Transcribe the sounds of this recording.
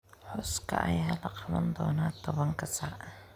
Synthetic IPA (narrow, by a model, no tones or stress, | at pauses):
ħʊskʰɐ̰ʔɐjaːlɐqɑðɐnd̪ɔːnaːt̪ʰɔβɐŋkʰɐsaːʔ